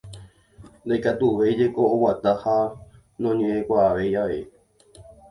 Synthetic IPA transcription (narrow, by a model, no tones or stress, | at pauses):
nd̪ajkat̪uʋejd͡ʒe̞ko̞ːwat̪aha | nõɲẽʔẽkʷaːʋe̞jaʋḛ